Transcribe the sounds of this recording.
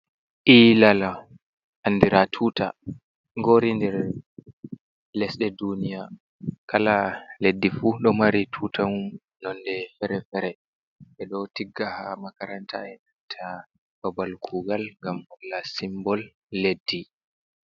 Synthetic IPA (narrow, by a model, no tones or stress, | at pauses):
ʔilala | ʔanːdiɾʔatʰuːta̰ | ŋɡoɾindɛɾ | lɛsɗɛdunija | kʰalaledːifuɗɔmaɾitʰutamum | nɔndɛfɛɾɛfɛɾɛ | ʔɛɗɔtiɡːahamakaɾantʰa̰ɛnantʰa | babalkʰuɡalŋɡamɔlːasimbɔlː | edːi